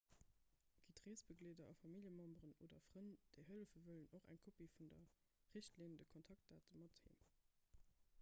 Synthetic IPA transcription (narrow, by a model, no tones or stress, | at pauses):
ɡ̥itʁeːsb̥əɡleːdɐʔɑfɑmiljəmɑmbʁəno̰ːdɐfʁ̥ənd̥ɛɦəlfəvələnoχæ̰ŋkʰopifundɐ | ʁiɕtliːndəkʰɔntʰɑk̚t̚d̥aːtəmɑthḛːm